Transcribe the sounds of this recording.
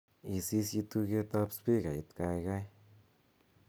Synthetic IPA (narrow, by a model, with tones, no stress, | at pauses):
i˧si˦sji˧t̪u˧ɡe˦t̪a˦˧pspi˦ɡa˨i˧t̪ka˧jɡa˦j